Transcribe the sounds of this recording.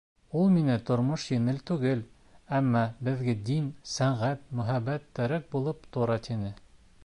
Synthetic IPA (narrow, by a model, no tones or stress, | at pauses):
ulˠminɘt̪ŏɾmoʃjɘ̆nɘlt̪ʉɡɘl | æmːɑbɘ̆ðɡɘd̪insæɴʁæt̪̚mɵ̆ɦæβæt̪ːæɾæk̚bulˠɤpt̪oɾɑt̪inɘ